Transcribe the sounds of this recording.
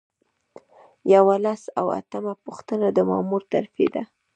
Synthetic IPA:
jawalasa̰wa̰t̪əmapuxt̪ənad̪əmɑmuɾt̪aɾfḛd̪a

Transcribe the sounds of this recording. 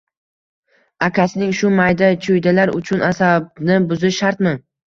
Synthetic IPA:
akʲʰasɪnɪŋʃʊmajd̪at͡ʃʰʊjd̪alaɾʊ̰t͡ʃʰʊnasab̚nɪbʊzɪʃaɾt̪mɪ

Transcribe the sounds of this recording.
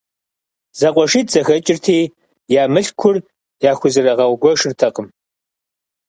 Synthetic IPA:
z̥ɐqʷʼɔʂiːtz̥ɐxɐt͡ʃʼɪrtʰiː | jaːmɨɬkʷʰʊr | jaːxʷʊzɨrɐʁɐwɡʷɔʂɨrtʰɐqəm

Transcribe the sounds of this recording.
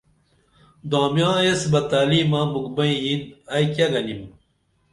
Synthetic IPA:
d̪ãːmjãːjesbɐt̪aːliːmãmukbɐĩinɐjkjɐɡɐnim

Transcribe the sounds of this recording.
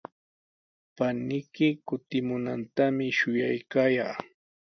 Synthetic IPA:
panɪjkɪkʊt̪ɪmʊnant̪amɪʃʊjajkaːjaː

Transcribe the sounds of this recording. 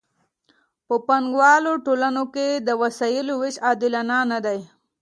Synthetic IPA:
pəpaŋɡwɑloʈolanoked̪əwasɑjɪlowɪʃɑd̪ɪlanɑnad̪aj

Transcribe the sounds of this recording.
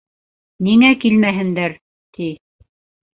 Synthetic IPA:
niŋækilmæɦɘ̆nd̪æɾ | t̪i

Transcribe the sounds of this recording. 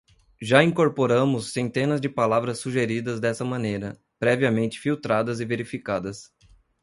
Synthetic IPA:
ʒaĩŋkoɾpoɾɐ̃mʊsːẽnt̪ẽnɐzd͡ʒɪpalavɾɐsːuʒeɾid̪ɐzd̪ɛsɐmɐ̃nejɾɐ | pɾɛviɐmẽnt͡ʃɪ̥fiwt̪ɾad̪ɐzɪveɾifikad̪ɐs

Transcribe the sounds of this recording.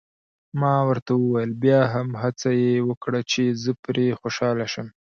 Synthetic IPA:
mɑwəɾt̪awəwajəlbjɑɦamɦat͡sajewəkɽat͡ʃezəpɾexoʃɑlaʃəm

